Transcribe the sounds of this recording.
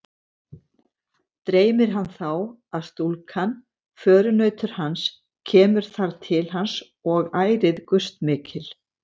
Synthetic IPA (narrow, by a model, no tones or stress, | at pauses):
t̪ɾeːjmɪɾ̥ɦanːθaw | aðst̪ulkʰan | fœːɾʏnœːɥt̪ʏɾ̥hans | cʰɛːmʏɾ̥θaɾt̪ʰɪlhans | ɔɣaːjɾɪðkʏst̪mɪːcʰɪl̥